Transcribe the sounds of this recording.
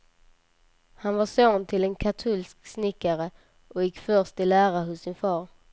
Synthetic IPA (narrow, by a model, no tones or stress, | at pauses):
hanvaʂoːnt̪ʰɪlɛnkʰat̪ʰulsksnɪkːaɾə | ʔɔjɪkːfœɾʂt̪ɪlæːɾaɦʊsːɪnfɑːɾ